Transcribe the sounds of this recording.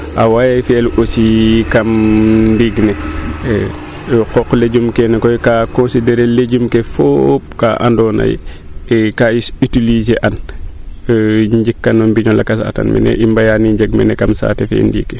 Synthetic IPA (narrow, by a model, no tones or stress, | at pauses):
ʔawajajfɛlʔosikamndiɡnɛ | kɔkːleɟumkenɛkɔjkakõnsideɾeleɟumkefop̚ka̰ʔa̰ndɔna̰j̰ | ɛkajisitilizeʔan | ɲd͡ʒikːanɔmbiɲɔlakasa̰ta̰nmɛ̰nɛ̰ʔimbajaniɲd͡ʒeɡmɛ̰nɛkamsa̰tefḛndḭkːe